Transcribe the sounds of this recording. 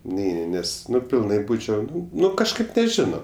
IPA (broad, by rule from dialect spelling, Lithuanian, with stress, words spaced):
ˈnʲɛɪnʲɪ ˈnʲɛs ˈnʊ pʲɪlˠˈnɐɪ ˈbuːt͡ʃʲɛʊ ˈnʊ ˈnʊ kɐʃˈkɐɪp nʲɛˈʒʲɪnoː